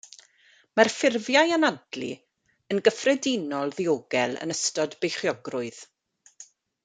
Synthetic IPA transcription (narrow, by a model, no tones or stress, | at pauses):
marfɪrvjajanadlḭ | ənɡəfrɛdɪnɔlˠðioɡɛlˠə̰nəstɔdbejχjɔɡrʊɨð